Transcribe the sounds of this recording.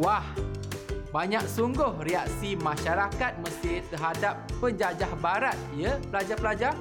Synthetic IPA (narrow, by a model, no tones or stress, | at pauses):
wah | baɲak̚suŋɡʊhriak̚simãʃaɾakat̪̚məsɪt̪əɦadapːəɲd͡ʒad͡ʒahbaɾat̪̚ijəpəlad͡ʒapəlad͡ʒa